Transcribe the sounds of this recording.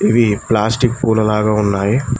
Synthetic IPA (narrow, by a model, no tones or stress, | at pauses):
iʋiplaːsʈikpuːlɐlaːɡaːunːaːji